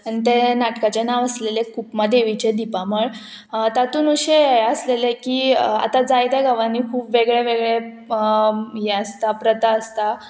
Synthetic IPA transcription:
anit̪enaʈkat͡ɕanaʋəslelẽkupmad̪eʋit͡ɕed̪ipaməɭ | t̪at̪uːnuɕejəslelekiːa̰t̪ad͡zajd̪aɡaʋanikʰuːpʋeɡɭeʋeɡɭe | jɛəst̪apɾət̪aəst̪a

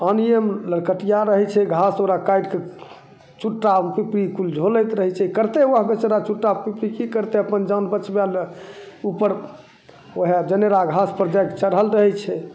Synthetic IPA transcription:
əniemləɾkəʈijaɾəɦɛt͡ʃʰɛɡʱasoɾakajɖke | t͡ʃuʈːapipɾikuld͡ʒʱolət̪ɾəɦɛt͡ʃʰɛkəɾt̪eʋəɦɡət͡ʃəɾat͡ʃuʈːapipɾikikəɾt̪eəpənd͡ʒanbət͡ʃbal | upəɾ | oɦed͡ʒəneɾaɡʱaspəɾd͡ʒajkt͡ʃəɾɦəlɾəɦɛt͡ʃʰɛ

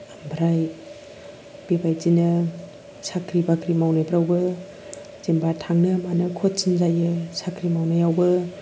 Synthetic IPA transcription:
ambʰʱɾaj | b̥ibajzinɯ | sakʰɾibakʰɾimawnajbɾawbɯ | zembatʰaŋnɯmanɯkʰot̚sinzajɯsakʰɾimawnajawbɯ

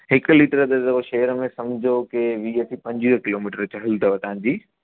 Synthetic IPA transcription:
ɦɪkliːʈəɾəɗ̪ɐd̪ɐoʃɐːəɾəmẽsɐmd͡ʑʱokeʋiːət̪ʰipɐ̃ɲd͡ʑiəkɪloːmiːʈəɾt͡ɕɐɦɪlt̪ɐʋɐt̪ɐãɲ̆d͡ʑiː

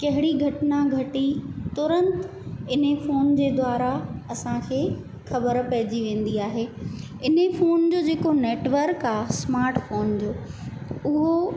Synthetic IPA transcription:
kɐɦɪɽiɡʱɐʈnaɡʱɐʈit̪ʊɾə̃nt̪ | ɪnefoːnd͡ʑeːd̪waːɾaɐsãkʰeː | xɐbəɾpɐɦɪd͡ʑiʋẽːn̆d̪iaːɦeː | ɪnefoːnd͡ʑoːd͡ʑeːkoneːʈʋəɾkaːsmaːɾʈfoːnd͡ʑoːʊɦo

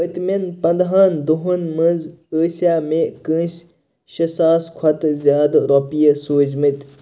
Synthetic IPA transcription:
ət̪menpɐnd̪ɦaːnd̪uɦunmɐnzəːsijaːmẽkə̃ːs | ɕɐsaːskʰɐt̪zjaːd̪ɾopijɐsoːd͡ʑmɨt̪

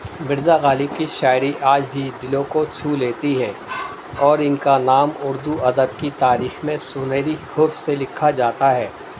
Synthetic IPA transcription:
mɪɾd̪aɣaːlɪb̚kiʃaːɪɾiʔaːd͡ʒbʱid̪ɪlõkot͡ʃʰuːleːt̪iɦɛː | ɔːɾɪnkanaːmʊɾd̪uɐd̪əbkit̪aːɾiːxmẽsʊnəɾihʊɾfselɪkʰːad͡ʒaːt̪aɦɛː

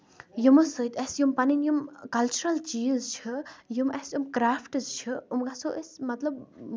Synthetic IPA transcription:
jumɨsɨt̪ɛsjumpɐninjumkɐlt͡ʃuɾɐlt͡ʃiːzt͡ʃʰɨjumɛsjumkɾaːfʰʈɨzt͡ʃʰɨumɡasoʔesʲmɐt̪lɐb

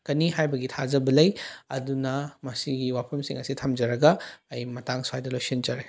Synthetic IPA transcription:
kɐniɦajbɐɡitʰazɐbɐlɐjɐ̰dunɐmɐsiɡiwapʰɐmsḭŋɐsitʰɐmd͡ʒɐɾɐɡɐːjmɐtaŋsuajdɐlojsind͡ʒɐɾe

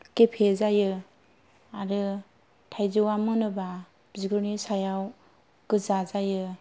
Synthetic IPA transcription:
kepʰezajɯ | aɾɯ | tʰajzɯwamɯnɯba | bziɡɯɾnisajaw | ɡ̥ɯzazajɯ

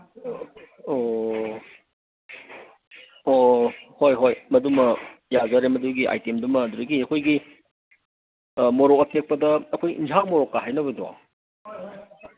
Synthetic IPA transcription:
o | ohojɦojmɐdumɐjazaɾemɐduɡiʔa̰jtemdumɐːduɾɐɡiɐkʰojɡi | moɾokɐtʰek̚pɐdɐːkʰojḭnd͡ʒʰawmoɾokːaɦajnɐβɐdɔa̰

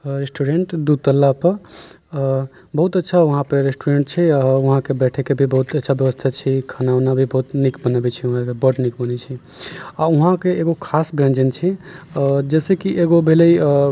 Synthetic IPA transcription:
ɾesʈuɾeɳʈd̪ud̪̚t̪əlːapəɾ | bəɦut̪ətːʃʰauɦãpəɾɾesʈuɾeɳʈt͡ʃʰɛauɦãkebɛʈʰɛkebʱibəɦut̪ətːʃʰabjəʋəst̪ʰat͡ʃʰikʰanawnabʱibəɦut̪nikbənəbɛt͡ʃʰɛuɦãkebəʈnikbənɛt͡ʃʰiauɦãkeeɡokʰasbẽnd͡ʒənt͡ʃʰi | d͡ʒɛsekiʔeɡobʱeləi

